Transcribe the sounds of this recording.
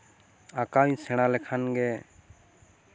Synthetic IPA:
akawɲsɛɽ̃alɛkʰanɡɛ

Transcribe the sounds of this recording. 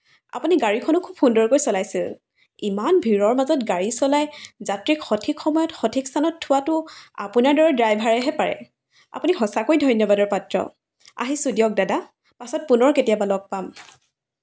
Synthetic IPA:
a̰puniɡaɹikʰɔnʊkʰubxundɔɹkojsɔlajsil | imanbʱiɹɔɹmazɔtɡaɹisɔlajzatɹikxɔtʰikxɔmɔjɔtxɔtʰikstʰanɔtʰːʊwatʊa̰punaɹdɔɹɛdɹajbʱaɹɛɦɛpaɹɛ̰ | a̰punixɔsakojdʱɔjnjɔbadɔɹpatɹɔ̰ | a̰ɦisudijɔk̚dada | pasɔt̚punɔɹketijabalɔɡ̚pam

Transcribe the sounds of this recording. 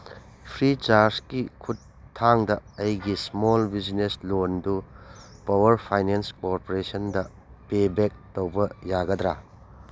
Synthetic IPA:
pʰɾit͡ʃaɾskikʰutʰː | aŋdɐɐjɡismolbid͡ʒneslondupawɐɾpʰajnenskoɾpoɾesɐndɐ | pebek̚towbɐjaɡɐdɾa

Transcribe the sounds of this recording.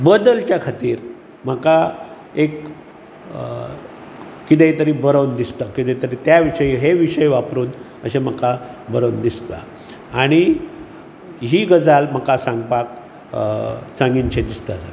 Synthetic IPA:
bəd̪əlt͡ɕjakʰat̪iːɾ | m̤əka | ek | it̪̬et̪əɾiːbəɾəwnd̪ist̪əkit̪et̪əɾiːt̪jaʋiʂəjiɦeʋiʂəjʋapɾuːn | ə̰ɕem̤əkabəɾəwnd̪ist̪a̰ | aɽ̃i | ɦiːɡəd͡zalm̤əkasãŋɡpak | sãŋɡiɲt͡ɕẽd̪ist̪əsa

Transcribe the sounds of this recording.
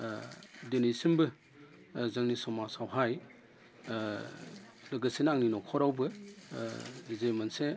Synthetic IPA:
denisimbɯ | zaŋnisɔmasawɦaj | lɐɡɐsinaŋninɔkʰɔɾawbɯ | zejmanse

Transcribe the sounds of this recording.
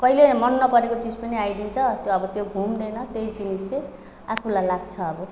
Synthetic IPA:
kʌɦilemʌnːʌpʌɾekot͡sid͡zpʌniajd̪int͡sʰʌt̪joʌbʌt̪jobʱumd̪enʌt̪ejd͡zinise | akʰulajlaɡt͡sʰʌːbʌ

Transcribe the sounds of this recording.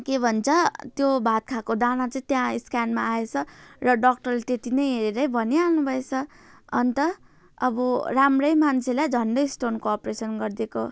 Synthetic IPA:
kebʱʌnt͡sʰʌt̪jobʱat̪̚kʰakod̪anat͡sʌĩt̪jãiskanmaːet͡sʰʌrʌɖʌk̚ʈʌrlet̪et̪inʌjɦeɾeɾʌjbʱʌnianubʱʌet͡sʰʌ | ʌ̰nt̪ʌ | ʌbʌramrʌjmant͡sʰelajd͡zʱʌɳɖʌjsʈonkoːpresʌnɡʌrd̪eko

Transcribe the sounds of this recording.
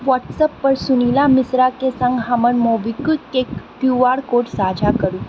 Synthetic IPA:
ʋɔʈsəpːəɾsunilamisɾakesə̃ŋɡɦamənmobikutkekt̪juʋaɽkoʈsad͡ʑʱakəɾũ

